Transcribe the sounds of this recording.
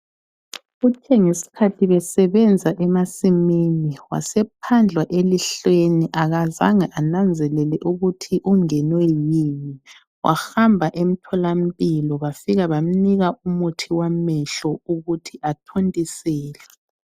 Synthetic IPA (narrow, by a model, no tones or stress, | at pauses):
ɣut͡ʃʰʼɛŋesi̥kʰatʰiβɛsɛβɛnd͡zʱaʔɛmasiminiwa̰sɛpʰand͡ɮʱwaʔeliɬweniʔaɣaza̰ŋaʔanand͡zʱɛlɛlɛʔuɣutʰiʔuŋɛnwɛjimi | wʔa̰xambʱaʔem̩tʰɔlam̩pʼilɔβafiɣaβam̩niɣaʔumutʰiwamɛɬɔuɣutʰiʔatʰontʼisɛːlɛ